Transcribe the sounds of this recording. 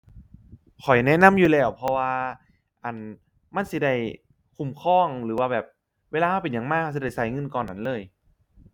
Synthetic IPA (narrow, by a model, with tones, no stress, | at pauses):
kʰɔ˨˩jnɛ˦˥˨na˧˥˨mjuː˨˩lɛː˧˩wpʰɔ˧waː˧ | ʔa˨˩n | ma˧˥˨nsi˧˦da˧˩j | kʰu˨˩mkʰɔː˧˥˩ŋɾɯː˩˦waː˧˩bɛː˨˩p̚ | weː˧laː˧kʰa˥˩wpe˨˩njaː˨˩ŋmaː˧˥˧k̚a˧˩si˧˩da˥˩jsa˨˦jŋɤ˧˨nkɔː˨˩nːa˧˥nlɤː˧˥˩j